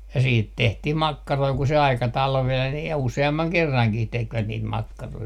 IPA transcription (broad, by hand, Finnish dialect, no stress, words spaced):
jɑ siːt tehtih mɑkːɑroi ku se ɑikɑ tɑlʋeːn jɑ useɑmːɑŋ kerːɑŋkih tekʋæt niːt mɑkːɑroi